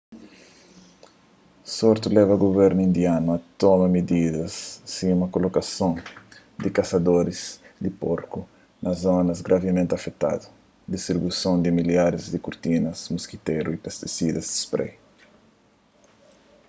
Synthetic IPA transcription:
soɾt̪ulɛvɐɡoβɛɾnuĩnd̪januɐt̪omɐmid̪iðɐsːĩumɐkolokasõn | d̪ikasɐd̪oɾiz̥d̪ipoɾku | nʔɐzonɐzɡɾʔavemẽnt̪ɐfet̪a̰d̪u | d̪ist̪ɾibusõnd̪imiljaɾizd̪ikuɾt̪inɐzmuskit̪eɾuipest̪isid̪ɐzd̪i̥spɾḛj

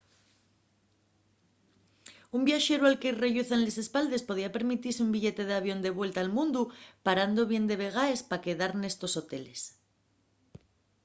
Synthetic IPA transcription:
umbjaʃe̞ɾualke̞re̞ʎuθanle̞se̞spald̪e̞spo̞ð̞iape̞ɾmit̪iɾseumbiʎe̞t̪e̞ð̞eaβjo̞nd̪e̞βwe̞lt̪aːlmũnd̪upaɾand̪o̞β̞je̞nd̪e̞βe̞ɣ̞ae̞spake̞ðaɾne̞st̪o̞so̞t̪e̞le̞s

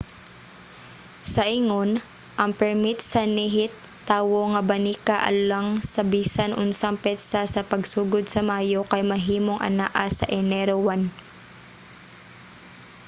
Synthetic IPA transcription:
sɐʔiŋon | ʔɐŋpɛɹmit̪̚sɐniɦɪt̪ːaːwoŋɐbɐniːkaʔɐ̰laŋsɐbiːsanʔʊnsɐŋpɛt̪sɐsɐpɐɡsuːɡod̪̚sɐmaːjokɐjmɐɦiːmoŋʔɐ̰naʔasɐ̰ʔɛnɛɾowan

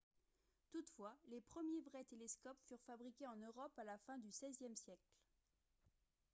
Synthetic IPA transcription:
t̪ut̪fwalepχəmjevʁɛt̪elɛskɔpfyʁfabʁikʲeɑ̃nøʁɔpalafɛ̃d̪ysɛzjɛmsjɛkl

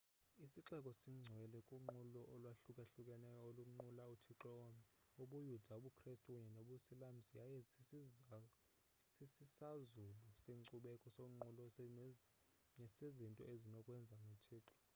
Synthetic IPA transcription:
isiǁɛkʼɔsiŋ͡ǀʱɛɛlɛkʼuŋ͡ǃulɔʔɔlwaɬukʼaɬukʼɛnɛjɔoluŋ͡ǃulautʰiǁɔɔmɛ | oɓujudʱaɓukʰristʼukʼuɲɛnoɓusilam̩sijajɛ | sisisazuluseŋǀuɓɛkʼɔsoŋ͡ǃulɔ | nɛsezintʼɔ̰ezinɔkʼwɛnd͡zʱanutʰiːǁɔ̥

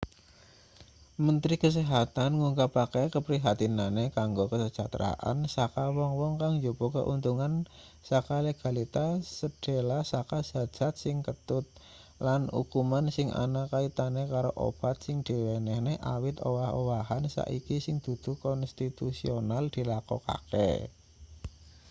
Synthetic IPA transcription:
mənt̪ɾikəs̬eɦat̪anŋuŋkapakɛjkəpɾiɦat̪inanekaŋɡokəsəd͡ʒat̪ɾa̰ʔa̰nsakawɔŋwɔŋkaŋd͡ʒobokə̰ʔunt̪uŋan | sakaleɡ̥a̤lit̪asəd̥elasakaz̥a̤d͡ʒ̥a̤t̪̚sɪŋkət̪ʊt̪̚ | lanṵkumansɪŋʔa̰nakait̪anekaɾoʔo̰b̥a̤t̪̚sɪŋd̪̥i̤wenɛhneʔawɪt̪owaho̰waɦansa̰ʔikisɪŋd̪̥ṳd̪̥ṳkɔnst̪it̪usionald̪̥i̤lakɔ̰ka̰kḛ

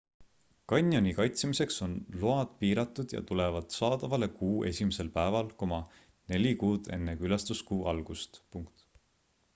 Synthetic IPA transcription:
kɑnʲjo̞nikɑjt̪smise̞kso̞nloɑd̪̥piːɾɑt̪ːˑud̪̥jɑ̰t̪ule̞vɑd̪̥sɑːd̪̥ɑvɑle̞kuːʔe̞sʲimese̞lpæevɑlko̞mɑ | ne̞lʲikuːd̪̥e̞nːekylɑst̪uskuːʔɑlɡ̥ust̪puŋkt̪

